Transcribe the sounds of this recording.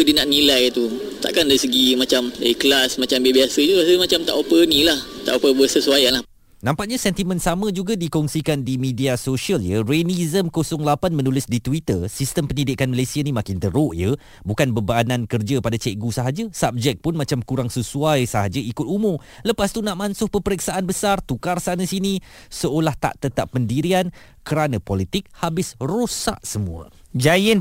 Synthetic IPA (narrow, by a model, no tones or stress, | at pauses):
ədinaʔnilajt̪ut̪a̰ʔkandaɾisəɡimãt͡ʃamaiklasmãt͡ʃambebiasəit̪uɾasəmat͡ʃamt̪a̰ʔopənĩlah | t̪a̰ʔopəbəsəsuajanlah | nãmpaʔɲasɛnt̪imə̃nsamə̃d͡ʒuɡadikɔŋsikandimĩdiasoʃiəljərenizəmkosɔŋlapanmə̃nulɪsdit̪wit̪ərsist̪əmpənidɪkanməlesianimãkɪnt̪əɾoʔjə | bukanbəbaːnãnkərd͡ʒapadat͡ʃɛʔɡusəɦad͡ʒəsap̚d͡ʒɛk̚pʊnmat͡ʃamkuɾaŋsəsuajsəɦad͡ʒaikʊt̪̚umʊm | ləpast̪unaʔmansʊhpəpəɾiksaʔanbəsart̪ukarsanəsinisəolaht̪a̰ʔt̪ət̪apːəndiɾian | kəɾanapɔlit̪ɪk̚habɪsrosa̰ʔsəmṵə̰ | d͡ʒajɪn